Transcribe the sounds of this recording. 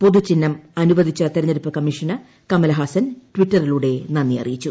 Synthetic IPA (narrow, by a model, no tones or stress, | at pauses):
po̞ðut͡ɕinːɐmɐnuʋɐd̪ʱit͡ɕːɐt̪eɾɐɲːɐɾupːɐkɐmːiʂɐnɐ | kɐmɐlɐɦaːsɐnʈwiʈːɐriluːɽe̞nɐnːijɐ̰rijit͡ɕːu